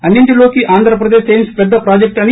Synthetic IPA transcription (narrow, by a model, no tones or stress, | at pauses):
ɐnːiɳʈilo̞ːkiʔaːnd̪ʱɾɐpɾɐd̪eːʃɐjnspɛd̪ːɐpɾaːd͡ʒek̚ʈɐni